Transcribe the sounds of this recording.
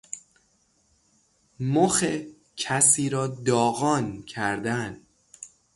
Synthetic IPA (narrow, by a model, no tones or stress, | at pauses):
moxe | cʰæsiːɾɒːd̪ɒːɣɒːncʰæɾd̪æn